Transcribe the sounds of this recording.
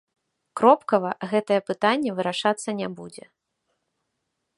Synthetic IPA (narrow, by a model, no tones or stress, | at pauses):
kɾɔpkɐvɐɣɛt̪ɐjɛpɨt̪anʲːɛvɨɾaʂat̪sːɐnʲɛbud͡zʲɛ